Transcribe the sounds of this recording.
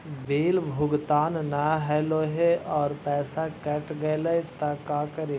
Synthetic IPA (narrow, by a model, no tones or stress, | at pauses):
beːlbʱʊɡt̪aːnnaɦɛːloɦeɔːɾpɛːsakɛʈɡɐlɐet̪ɐkaːkəɾe